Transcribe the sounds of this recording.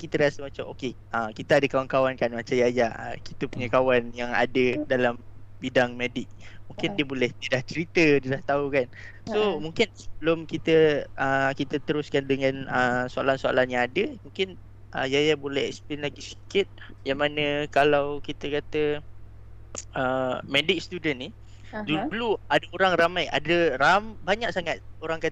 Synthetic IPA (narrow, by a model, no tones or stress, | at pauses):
kit̪əɾiasəmat͡ʃamo̰ke | əkit̪əadəkawankawankanmat͡ʃajajaə̰ki̥t̪əpuɲakawanjaŋa̰dədalambidaŋmedɪk̚muŋkɪndiəbolɛhd̪iədaht͡ʃəɾit̪ədiədaht̪aukan | somuŋkɪnsəbəlʊmkit̪əʔəkit̪ət̪əɾʊskandəŋãnəsoa̰lansoa̰lanjãŋadəmuŋkɪn | ʔə̰jajabolɛhɛ̰ksplɪnlaɡisi̥kɪt̪̚jaŋmanə̃kalawkit̪əkat̪ə | əmɛdɪk̚st̪udənːi | dululuadaoɾaŋramaja̰dəɾambaɲaʔ̚saŋat̪̚oɾaŋkat̪